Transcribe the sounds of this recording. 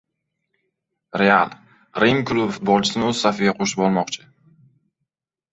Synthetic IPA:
ɾea̰lˠ | ɾemkʊlˠʊfʊ̥t̪̚bɒlˠt͡ʃʰɪ̥sɪnɪɵzɪsafɪɡʲaqʰoʃɪ̥p̚bɒɾmɒqt͡ʃʰɪ̥

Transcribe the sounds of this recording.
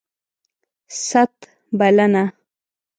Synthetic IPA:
sat̪ | balana

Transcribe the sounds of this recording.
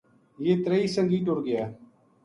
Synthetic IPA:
jeːt̪ɾeiːsəŋɡiːʈoɾɡɪjaː

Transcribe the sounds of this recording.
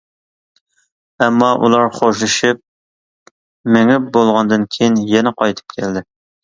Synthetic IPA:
ɛmːɑʔṵlˠɑɾχoʃlɨʃip̚ | mɪŋɪp̚bolˠʁɑnd̪ɨnkʲʰejinjɛnɛqʰɑjt̪ʰɨ̥p̚kʲʰɛld̪ɪ

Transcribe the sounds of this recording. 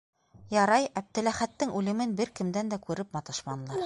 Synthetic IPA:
jɑɾɑjæp̚t̪ɘ̆læχæt̪ːɘŋʉlɘ̆mɘnbɘɾkɘ̆md̪ænd̪ækʉɾɘpmɑt̪ɤʃmɑnlˠɑɾ

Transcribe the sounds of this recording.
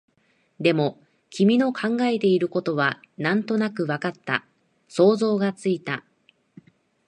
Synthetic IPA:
d̪e̞mo̞ | kʲʰimʲino̞kʰãŋɡae̞t̪e̞iɾɯ̟ko̞t̪o̞βanãnt̪o̞nakɯ̟βakat̪ːa̰ | so̞ːzo̞ːɡat͡sɨit̪a

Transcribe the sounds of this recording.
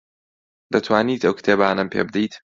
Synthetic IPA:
d̪ɐt̪ʰwaːniːt̪ɐwkʰɨ̥t̪ʰeːbaːnɐmpʰḛːbɨd̪ijt̪

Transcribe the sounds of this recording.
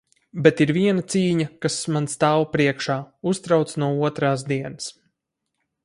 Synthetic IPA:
bet̪iɾviɛnat̪siːɲakasmanst̪aːwpɾiɛkʃaːust̪ɾawt̪snuɔuɔt̪ɾaːsd̪iɛnɨs

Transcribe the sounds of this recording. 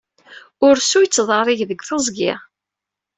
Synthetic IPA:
ʊɾsujt͡sːðˤərˤiʝðəɡʷθozˤɡɪ̰ʁ

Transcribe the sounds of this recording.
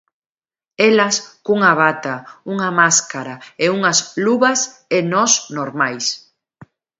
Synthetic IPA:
elɐskuŋɐβ̞at̪ɐuŋɐmaskaɾaeuŋɐsluβɐsenɔsnoɾmajs

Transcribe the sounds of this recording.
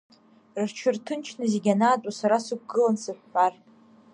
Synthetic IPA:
rt͡ʃʰɨrtʰɨnt͡ʃʰnɨzeɡʲanaːtʼasaɾasuk̚ʷʰɡɨlansɨħʷːar

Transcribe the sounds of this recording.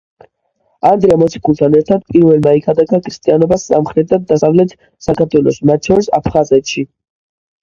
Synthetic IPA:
and̪ɾɛamɔt̪sʰi̥kʰulˠt̪ʰanɛɾt̪ʰad̪̚pʼiɾvɛlˠmaikʰad̪aɡʰakʰɾist̪ʼianɔbasːa̰mχɾɛt̪̚d̪ad̪ːasavlɛt̪ʰ | sakaɾt̪ʰwɛlˠɔsmat̪ʃɔɾisa̰pʰχazɛt̪ʃi

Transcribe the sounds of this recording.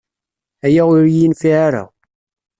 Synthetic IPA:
æjaʊɾjinfiʕaɾa̰

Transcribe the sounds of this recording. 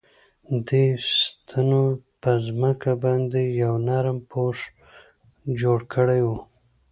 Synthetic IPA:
d̪est̪ʰanopəzməkabɑnd̪ejawnaɾmpʰoʂ | d͡ʒoɽkʰəɽajwu

